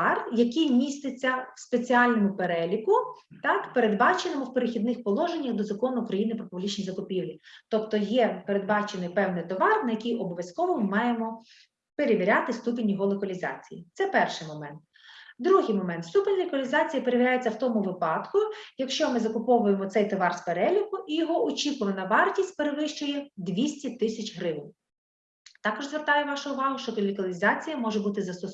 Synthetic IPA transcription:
rjɐkijmʲist̪et͡sʲːɐwspet͡sʲiɑlʲnɔmʊpeɾɛlʲikʊt̪ɑkpeɾe̞d̪bɑt͡ʃenɪmʊwpeɾexʲid̪nɪxpɔlˠɔʒenʲːɐxd̪ɔzɐkɔnʊːkɾɐjinɪpɾɔpʊblʲit͡ʃnʲijzɐkʊpʲiwlʲit̪ɔpt̪ɔjɛpe̞ɾe̞d̪bɑt͡ʃenɪjpɛwnɪjt̪ɔʋɑrnɐjɐkʲijɔbɔʋjɐskɔʋɔmmɑjemɔ | pe̞ɾeʋʲiɾʲat̪ɪst̪upenʲːiɦɔlˠɔkɐlʲizɑ̰t͡sʲḭjit̪sɛpɛrʃɪjmɔmɛnt̪̚ | d̪ɾuɦɪjmɔmɛnt̪st̪upenʲllɔkɔlʲizɑt͡sʲijɐpeɾeiɾʲajet͡sʲːɐwt̪ɔmʊʋɪpɑd̪kʊjɐkʃt͡ʃɔmɪzɐkʊpɔʋʊjemɔt̪sɛjt̪ɔʋɑrspeɾɛlʲʊkʊʔijɔɦɔʔɔt͡ʃʲikʊʋɐnɐʋɑrtʲisʲt̚ʲpeɾeʋɪʃt͡ʃʊjɛd̪ʋʲisʲtʲit̪ɪsʲɐt͡ʃɦɾɪʋnʲ | t̪ɑkɔʒzʋert̪ɑjɛʋɑʃʊʊʋɑɦʊʃt͡ʃɔkɔlʲikɐlʲizɑt͡sʲijɐmɔʒebut̪ɪzɐsʊ

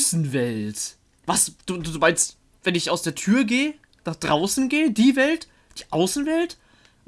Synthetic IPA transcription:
sn̩vɛlt | vasd̥uːduːvaɪnst | vɛnɪçaʊsd̥eːɐtʰyːɐɡeːə | naχd̥ʁaʊsn̩ɡeːədiːvɛlt | d̥iːʔaʊsn̩vɛlt

